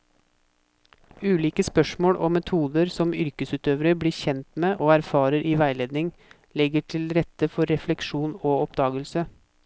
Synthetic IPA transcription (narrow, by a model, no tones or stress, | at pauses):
ʉːliːkəspœʂmoːɽʔɔ̰mɛt̪ʰuːd̪əɾsɔmʏɾkəsʉːt̪øːʋəɾəbɽiːçɛnt̪meːʔoːæɾfɑːɾəɾʔiːʋæɪleːd̪nɪŋ | lɛɡəʈʰɪlɾɛt̪ːəfɔɾːɛflɛkʂuːnoːɔpd̪ɑːɡəlsə